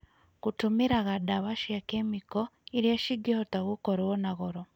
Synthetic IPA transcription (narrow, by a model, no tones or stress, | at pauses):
kutumiɾaɣadaβaʃakemikoiɾjeʃiɡihotaɣukoɾewonaɣoɾo